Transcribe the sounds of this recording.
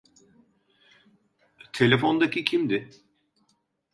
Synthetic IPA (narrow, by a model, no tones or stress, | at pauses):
t̪ʰe̞lʲefo̞nd̪acicʰimd̪ɪ